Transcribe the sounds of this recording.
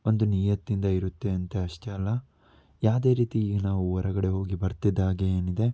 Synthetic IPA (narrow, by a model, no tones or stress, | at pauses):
ond̪uniːjɐt̪ːind̪ɐiɾut̪ːe̞ɐnt̪eɐʂʈeɐlːɐ | jaːʋd̪e̞ːɾiːt̪iːɡɐnaːʋuɔɾɐɡɐɽe̞ɦo̞ːɡibɐɾt̪id̪ːaːɡeeːnid̪e̞